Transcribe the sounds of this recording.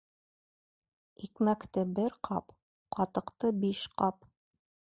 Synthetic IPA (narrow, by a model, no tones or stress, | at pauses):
ikmækt̪ɘbɘɾqɑ̰p | qɑt̪ɤ̆qt̪ɤbiʃqɑp